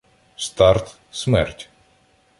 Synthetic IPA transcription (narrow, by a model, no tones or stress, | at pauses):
st̪aɾt̪ | smɛ̰rtʲ